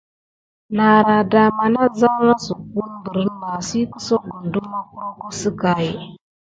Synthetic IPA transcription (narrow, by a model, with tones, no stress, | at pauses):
na˨ɾa˨da˨ma˨na˦za˦wna˦su˨ku˦n˦bə˨ɾə˦ma˨si˦kə̥˦so˦ɡu˨n˨du˦ma˦ku˦ɾo˦ku˦sə˦ka˨ji˨